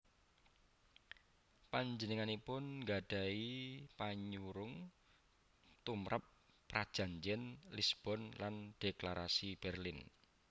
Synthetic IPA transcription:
paɲd͡ʒənəŋanipʊnŋɡaɖ̥a̤ipaɲuɾʊŋ | t̪umɾapː | ɾad̥ʒ̥a̤ɲd͡ʒɪnlisb̥ɔnland̥eklaɾasib̥ɛrlin

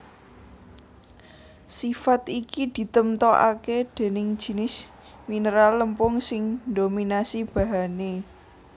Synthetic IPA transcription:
sifat̪ikid̪̥i̤t̪əmt̪ɔʔa̰ked̪̥e̤nɪŋ̥ʒ̥i̤nɪsminəɾalːəmpʊŋsɪŋd̪ominasib̥a̤ɦane

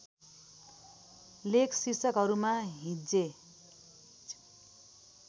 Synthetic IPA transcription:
lekʰsisʌkɦʌɾumaɦĩd͡ze

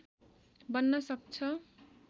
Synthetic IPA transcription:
bʌnːʌsʌk̚t͡sʰʌ

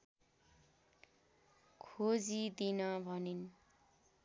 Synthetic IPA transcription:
kʰod͡zid̪inʌbʱʌnin

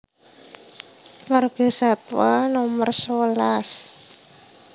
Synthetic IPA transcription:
marɡ̥ə̤sat̪wanɔmərsəlas

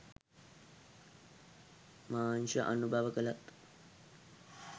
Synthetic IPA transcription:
maːnʃəʔanubʱaʋəkəlat̪

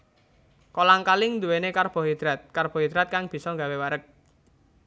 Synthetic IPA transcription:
kolaŋkalɪŋnd̪uwenekarb̥ɔ̤ɦid̪̥ɾat̪̚karb̥ɔ̤ɦid̪̥ɾat̪̚kaŋb̥i̤sɔŋɡawewaɾək̚

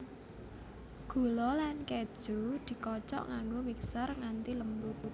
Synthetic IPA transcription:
ɡ̥o̤lɔlanke̥ʒ̥o̤d̪̥i̤kɔt͡ʃɔ̰ʔŋaŋɡomiksarŋant̪iləmpuku

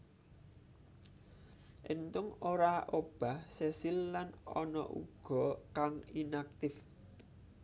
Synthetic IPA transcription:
ʔent̪ʊŋoɾaʔob̥a̤hsesilːanɔnɔ̰ʔṵɡ̥ɔ̤kaŋinak̚t̪ɪf

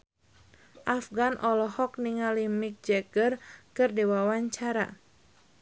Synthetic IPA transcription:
ʔafɡanʔɔlɔhɔk̚niŋalimik̚d͡ʒɛɡərkɨrdewawaɲt͡ʃaɾa̰

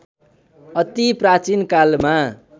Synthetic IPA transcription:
ʌt̪iprat͡sinkalma

